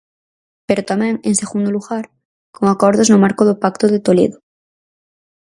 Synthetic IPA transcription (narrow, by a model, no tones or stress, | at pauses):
peɾot̪amɛ̃ŋeŋseɣund̪oluɣaɾ | koŋakoɾðoznomaɾkoðopakt̪oðet̪olḛðo